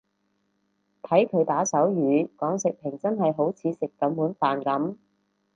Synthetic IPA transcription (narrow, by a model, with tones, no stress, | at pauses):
t̪ʰɐ˨˥jkʰɵ˨˧ɥt̪aː˨˥sɐ˨˥wjyː˨˧kɔː˨˥ŋsɪ˨k̚pʰɪ˨˩ŋt͡sɐ˥nɦɐ˨jɦo˨˥wt͡sʰiː˨˧sɪ˨kːɐ˨˥mːuː˨˥nfaː˨nkɐ˨˥m